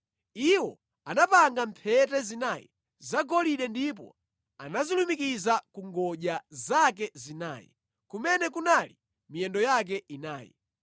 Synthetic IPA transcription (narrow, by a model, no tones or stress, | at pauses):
iwɔ | anapaŋɡampʰɛtɛzinajɛ̰ | zaɡɔliɗɛndip̬ɔ̰ | a̰nazilumikizakuŋɡɔʄazak̬ɛzina̰ːjɛ̰ | kumɛnɛkunali | mijɛndɔjak̬ɛʔina̰ːjḭ